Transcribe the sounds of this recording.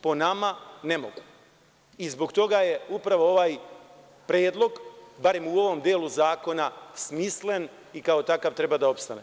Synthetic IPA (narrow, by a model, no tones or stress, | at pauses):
po̞namanemo̞ɡu̥ | izbo̞ɡt̪o̞ɡaje̞upɾaʋo̞o̞ʋaːj | pɾeːd̪lˠo̞ɡbaɾe̞muo̞ʋo̞md̪jeːluzaːko̞nasmisle̞n | ikao̞t̪akaʋt̪ɾebad̪ao̞pst̪ane